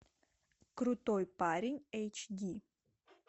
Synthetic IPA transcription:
kɾut̪ojpaɾʲɪnʲejt͡ʃɡʲi

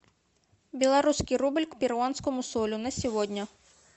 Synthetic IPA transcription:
bʲilˠɐɾusʲkɪjɾubelʲkpʲiɾwansʲkɔmʊsɔlʲʊnɐsʲiʋɔdʲnʲɐ

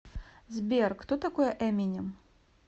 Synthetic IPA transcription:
zbʲerkt̪ot̪akojɛʔɛmʲinʲɪm

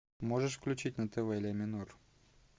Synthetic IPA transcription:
moʐəʂfklʲʉt͡ɕitʲnət̪ɛvɛlʲemʲɪnur

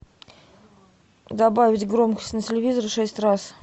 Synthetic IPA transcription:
d̪ɐbavʲɪtʲɡɾo̞mkə̥sʲtʲnətʲɪlʲɪvʲizəɾʂɛsʲtʲras

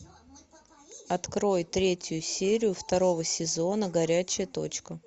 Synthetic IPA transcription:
ɐt̪kɾo̞jt̪ɾʲetʲjʊsʲeɾʲɪjʊft̪ɐɾo̞vəsʲɪzo̞nəɡɐɾʲæt͡ɕɪjət̪o̞̰t͡ɕkə

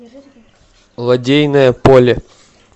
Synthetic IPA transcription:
lˠɐdʲejnəjəpolʲɪ

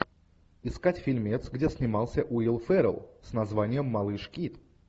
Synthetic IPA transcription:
ɪskatʲfʲɪlʲmʲet̪sɡdʲesʲnʲɪmɑlˠsʲəʔuilˠfɛɾə̰lˠsnɐzvanʲɪjəmːɐlˠɨʂkʲit̪

